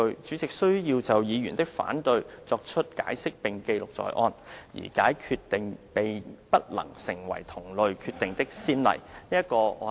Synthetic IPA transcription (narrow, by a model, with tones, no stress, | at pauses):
ɵ˧ɥt͡syː˨˥t͡sɪ˨k̚sɵ˥ɥjiː˧wt͡sɐ˨wjiː˨˧jyː˨˩nt̪ɪ˥k̚fa̰ː˨˥nt̪ɵ˧ɥt͡sɔː˧k̚t͡ʃʰɵ˥t̚ka̰ː˨˥jsɪ˥k̚pɪ˨ŋke˧jlʊ˨k̚t͡sɔ̰ː˨jʔɔː˧njḭː˨˩kaː˨˥jkʰyː˧t̪ɪ˨ŋpe˨jpɐ˥t̚lɐ̰˨˩ŋsɪ˨˩ŋwɐ̰˨˩jt̪ʰʊ˨˩ŋlɵ˨ɥkʰyː˧t̪ɪ˨ŋt̪ɪ˥k̚siː˥nlɐ̰˨˩jniː˥jɐ˥t̚kɔː˧ɔ˨˧